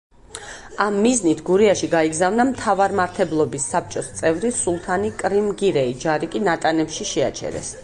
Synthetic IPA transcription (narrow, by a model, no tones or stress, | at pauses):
amːiznit̪ʰɡuɾiaʃiɡaiɡzavnamt̪ʰavaɾmaɾt̪ʰɛblˠɔbisːap̚ʰt͡ʃʼɔst̪sʼɛvɾisulˠt̪ʰanikʼɾimɡiɾɛid͡ʒaɾikʼinat̪ʼanɛpʃiʃɛat͡ʃʰɛ̰ɾɛ̰s